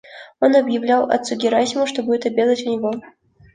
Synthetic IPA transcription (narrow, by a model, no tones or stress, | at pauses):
onɐbjɪvlʲalwɐ̰t̪suɡʲɪɾasʲɪmʊʂt̪obudʲɪt̪ɐbʲed̪ˠɐtʲʊnʲɪvɔ